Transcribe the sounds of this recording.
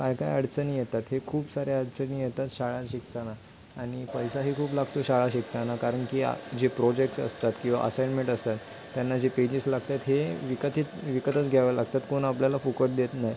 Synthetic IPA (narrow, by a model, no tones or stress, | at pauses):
kajkajəɽt͡sənijet̪at̪ɦekʰuːpsaɾeəɽt͡səniːjet̪at̪ɕaɭaɕik̚t̪ana | aɽ̃ipəjsaɦiːkʰuːplaɡt̪oɕaɭaɕikt̪anakaɾəɳkia̰d͡ʑepɾɔd͡ʑekʈsə̰st̪at̪kĩw̃ʋa̰ʔəsajnmeɳʈəst̪at̪ː | janːad͡ʑeped͡ʑislaɡ̚t̪at̪ɦeʋikət̪it͡sʋikət̪ət͡sɡʱjaʋalaɡ̚t̪at̪konapljalafokəɾd̪et̪naj